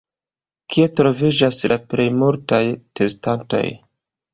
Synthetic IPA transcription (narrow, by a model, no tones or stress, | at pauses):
kʰie̞tɾo̞vid͡ʒaslʔaple̞jmultajte̞stanto̞̰j